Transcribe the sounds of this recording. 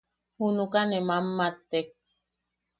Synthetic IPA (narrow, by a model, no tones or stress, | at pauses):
hunukanemamːat̪ːek̚